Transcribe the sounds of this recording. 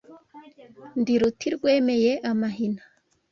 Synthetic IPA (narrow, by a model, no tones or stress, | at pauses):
ndiɾutiɾɡweːmɛjeʔamaɦina